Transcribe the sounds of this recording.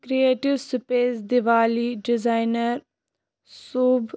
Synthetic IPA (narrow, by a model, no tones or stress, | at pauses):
kɾieːʈɪʋspeːsd̪ɪʋaːliɖɪzaːɪnəɾ | soːb